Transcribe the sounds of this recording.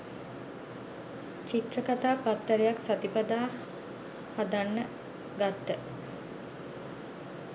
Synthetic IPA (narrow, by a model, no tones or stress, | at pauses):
t͡ʃit̪ɾəkat̪aːpat̪ːəɾejaksat̪ipad̪aː | had̪anːə | ɡat̪ːə